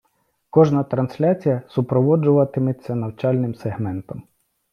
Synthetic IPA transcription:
kɔʒnɐt̪ɾɐnsʲlʲat͡sʲijɐsʊpɾɔʋɔd͡ʒʊʋɐt̪ɪmɪt͡sʲːɐnɐwt͡ʃɑlʲnɪmseɦmɛnt̪ɔm

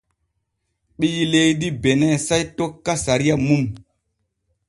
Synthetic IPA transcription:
ɓijilejdibenesajtokːasaɾijamum

